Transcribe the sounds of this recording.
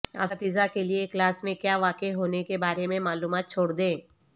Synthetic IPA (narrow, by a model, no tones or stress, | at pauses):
a̰ːat̪iːzakelieklaːsmẽkjaːʋaːkeɦoːnekebaːɾemẽmaːluːmaːt̪̚t͡ʃʰoːɽd̪ẽː